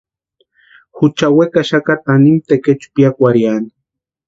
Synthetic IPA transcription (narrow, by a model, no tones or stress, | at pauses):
xʊt͡ʃawekaʃakat̪animt̪eket͡ʃpjakʷaɾjani̥